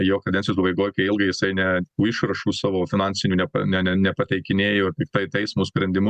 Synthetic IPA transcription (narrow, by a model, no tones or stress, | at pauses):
joːkɐd̪ʲɛnʲsʲjot̪uːbɐɪɡoːjkɐɪɪlˠɡɐɪjɪsɐɪnʲɛt̪uːɪʃɾɐʃuːsɑːʋoːfʲɪnɑnʲsʲɪnʲuːnʲɛpɐ̰nʲɛnʲɛnʲɛpɐt̪ʲɛɪkʲɪnʲeːjoːtʲɪkt̪ɐɪt̪ʲɛɪsmoːsʲpʲɾʲɛnʲd̪ʲɪmʊ